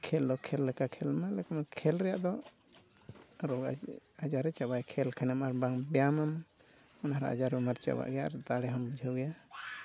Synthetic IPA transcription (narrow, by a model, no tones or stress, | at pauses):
kʰɛld̪ɔkʰɛlːɛkakʰɛlmalɛkamakʰɛlɾɛjaʔd̪ɔ | ɾɔɡaad͡ʒaɾɛt͡ʃabajkʰɛlkʰanamaɾbaŋbɛjamam | ɔnaaɾa̰a̰d͡ʒaɾɛmaɾt͡ʃa̰ba̰ʔɡɛjaaɾd̪aɽɛɦɔmbid͡ʒʱawɡɛja